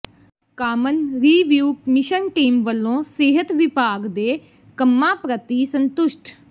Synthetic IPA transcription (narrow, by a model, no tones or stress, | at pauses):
kaːmənɾiːʋjuːkmɪʃənʈiːmʋəlːõːseːɦət̪ʋɪpaːɡd̪eː | kəmːãːpɾət̪iːsə̃nt̪ʊʃʈ